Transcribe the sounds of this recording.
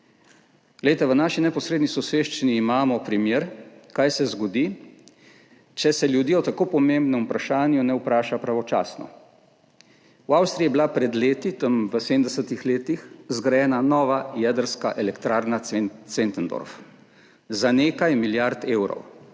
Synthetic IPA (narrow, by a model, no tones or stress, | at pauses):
ɡ̥lejt̪aʋənaːʃinɛpɔsɾeːd̪nisɔseːʃt͡ʃiniːmaːmɔpɾimjeːɾkajsɛzɡɔd̪i | t͡ʃɛsɛljud̪iːɔt̪akoːpɔmẽmbnɛmupɾaʃaːnjunɛupɾaːʃapɾaʋɔt͡ʃa̰ːsnɔ̰ | wawst̪ɾijɛbilapɾɛd̪leːt̪it̪əmʋəsemd̪ɛsət̪ixleːt̪ixzɡɾajɛːnanɔːʋajɛd̪əɾskaʔɛlɛkt̪ɾaːɾnasent̪ənd̪ɔ̰ɾf | zaneːkajmiljaɾt̪eːwɾɔ̰w